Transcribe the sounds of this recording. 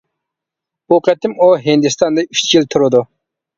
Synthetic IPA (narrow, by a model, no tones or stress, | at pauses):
buqʰɛt̪ɪmuɦɪnd̪ɪst̪ʰɑnd̪ɨy̥ʃt͡ʃʰjilt̪ʰuɾɨd̪u